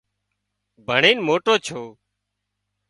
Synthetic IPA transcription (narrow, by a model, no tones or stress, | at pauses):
bʱəɳeːnmoːʈoːt͡ʃʰoː